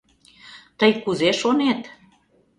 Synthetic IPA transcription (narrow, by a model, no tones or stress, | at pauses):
t̪əjkuzeʃonet̪